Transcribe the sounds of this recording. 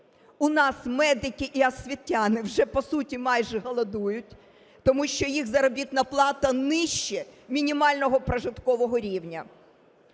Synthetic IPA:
ʊnɑsmɛd̪ɪkʲiʔiɐsʲʋʲitʲːɑnɪwʒɛpɔsutʲimɑjʒɛɦɐlˠɐd̪ujʊtʲ | t̪ɔmuʃt͡ʃɔjixzɐɾɔbʲit̪nɐplˠɑt̪ɐnɪʃt͡ʃɛmʲinʲimɑlʲnɔɦɔpɾɐʒɪt̪kɔʋɔɦɔɾʲiwnʲɐ

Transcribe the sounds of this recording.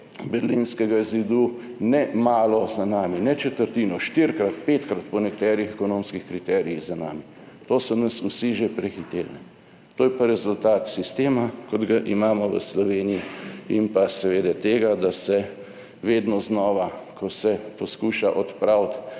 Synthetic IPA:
bɛɾlinskɛɡazid̪u | nɛmaːlɔzanaːminɛt͡ʃɛt̪əɾt̪iːnɔʃt̪iɾkɾat̪peːt̪kɾat̪pɔnɛkt̪ɛːɾixɛkɔnõmskixkɾit̪ɛːɾiiɣzana̰ːmi | t̪oːsɔnəsusiʒepɾɛxit̪elnɛ | t̪oːjɛpaɾɛzult̪aːt̪sist̪eːmakɔd̪ɡaʔimaːmɔʋə̰slɔʋeːniiimpasɛʋeːd̪ɛt̪eːɡad̪asɛ | ʋeːd̪nɔznɔːʋakʰɔsɛpɔskuːʃaʔɔt̪pɾawt̪

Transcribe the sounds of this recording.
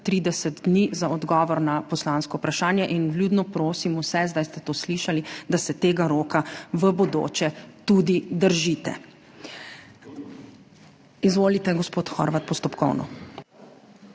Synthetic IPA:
t̪ɾiːd̪ɛsəd̪d̪nizaɔd̪ɡɔːʋɔɾnapɔslaːnskɔupɾaʃaːnjɛʔinvluːd̪nɔpɾoːsimusɛzd̪ajst̪ɛt̪oːsliːʃalid̪asɛt̪eːɡaɾoːkaʋəbɔd̪o̰ːt͡ʃɛt̪ud̪id̪əɾʒit̪ɛ̰ | izʋoːlit̪ɛɡɔspoːt̪xɔ̰ɾʋat̪̚pɔst̪ɔpkɔ̰wnɔ̰

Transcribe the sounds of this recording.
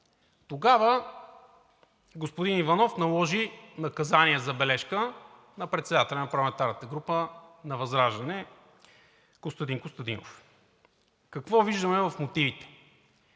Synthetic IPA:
t̪oɡavə | ɡospod̪inivɐnɔfnɐlˠɔʒinɐkɐzaniəzɐbɛlɛʃkə | nɐpɾɛt̪sɛd̪at̪ɛlʲɐnɐpɐɾlˠɐmɛnt̪aɾnət̪əɡɾupənɐvɐzɾaʒd̪ɐnɛ | ɡ̥ost̪ɐd̪inkost̪ɐd̪inof | kɐkvɔviʒd̪əmɛvɐfmot̪ivit̪ɛ̥

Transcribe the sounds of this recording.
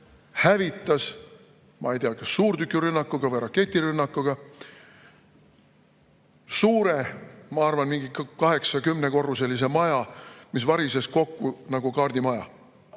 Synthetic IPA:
hævit̪ːˑɑs | mʔɑ̰ejt̪eɑkɑsːuːrt̪ykːˑiɾynːɑkːˑuɡ̥ɑvɤjɾɑkːe̞t̪ʲːˑiɾynːɑkːˑuɡ̥ɑ | suːɾemɑɑrvɑnmiŋɡikkɑɦe̞ksɑkymne̞ko̞rːus̬e̞lːis̬e̞mɑjɑmisvɑɾisesko̞kːunɑɡukɑːrd̪imɑjɑ̰

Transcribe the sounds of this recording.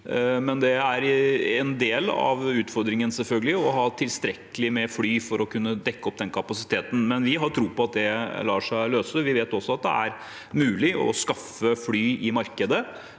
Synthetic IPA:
mɛnd̪ɛæɾɛnd̪eːlɑ̰ʋʉːt̪fɔɾd̪ɾɪŋənsɛlfœlɡəlɪɔɦɑːt̪ʰɪlst̪ɾɛkːəlɪmɛflyːfɔɾɔkʰʉnːəd̪ɛkːəɔp̚ːd̪ɛnkʰɑpɑsɪ̥t̪ʰeːt̪n̩mɛnʋɪɦɑɾt̪ʰɾuːpɔɑt̪̚d̪ɛlɑːʂæɪløːsəʋɪʋeːt̪ɔsːɔɑt̪̚d̪ɛ̰æɾ | mʉːlɪʔɔ̰skɑfəflyːɪmɑɾkəd̪ə

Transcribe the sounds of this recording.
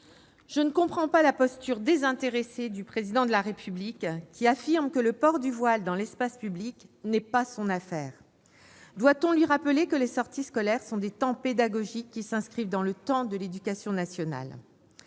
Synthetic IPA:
ʒ̥ənəkɔ̃pχɑ̃palapɔst̪yʁd̪ezɛ̃t̪eʁesed̪ypχezid̪ɑ̃d̪əlaʁepyblikkʰʲːiafiʁmkələpɔʁd̪yvwald̪ɑ̃lɛspaspybliknɛpasɔ̃nafɛːʁ | d̪wat̪ɔ̃lɥiʁapəlekəlesɔʁt̪iskɔlɛʁsɔ̃d̪et̪ɑ̃ped̪aɡɔʒikʲːisɛ̃skχivd̪ɑ̃lət̪ɑ̃d̪əled̪ykasjɔ̃nasjɔna̰l

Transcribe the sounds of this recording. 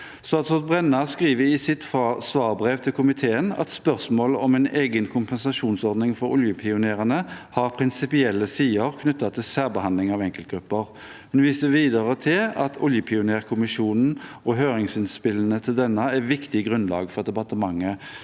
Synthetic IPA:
st̪ɑːt̪sɔt̪̚bʁɛnːɑʁskʁiːʋəɪsɪt̪fɑsʋɑːʁbʁeːʋt̪ʰɪlkʊmɪt̪ʰeːənɛ̰t̪spœʁsmoːlɔmɛneːɡənkʰʊmpɛnsɑʃuːnsɔʁd̪nɪŋfɔɾʊ̰ljəpʰɪʊneːʁənəhɑʁpʰʁɪnsɪpɪɛlːəsiːəʁkʰnʉt̪ːɑt̪ʰɪlsæːʁbəhɑnlɪŋɑʋɛŋkəlt̪ɡɾʉpːəʁ | hʉnʋiːst̪əʋiːd̪əʁət̪ʰɪlɑt̪ʰʊljəpʰɪʊneːʁkʰʊmɪʃuːnn̩ʔɔɦøːʁɪŋsɪnspɪlnət̪ʰɪld̪ɛnːəæʋɪkt̪ɪɡʁʉnlɑ̰ːɡfɔʁd̪ɛpɑʁt̪əmɑŋːə

